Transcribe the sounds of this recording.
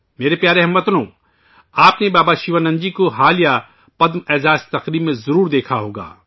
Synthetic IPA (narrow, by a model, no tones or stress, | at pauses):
meːɾepjaːɾeɦɐmːɐt̪nõ | aːpnebaːbaʃiʋanɐ̃ɲd͡ʒikoɦaːlija | pɐd̪mɛːzaːst̪ɐqɾiːbmẽzɐɾuːɾd̪eːkʰaɦoːɡa̰ː